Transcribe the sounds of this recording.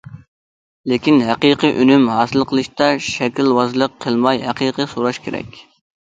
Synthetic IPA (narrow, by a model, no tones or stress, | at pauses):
lɪkʲinɦæqiqəʔønymɦɑːsɨlˠqʰəlˠɨʃt̪ɑʃɛkʲilwɑzlˠəqʰːəlˠmɑjɦæqiqəsoɾɑʃkʲʰeɾɛ̰kʲ